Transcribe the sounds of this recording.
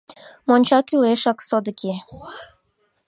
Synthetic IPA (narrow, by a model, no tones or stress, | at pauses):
monʲt͡ɕɑkyleʃɑksod̪əke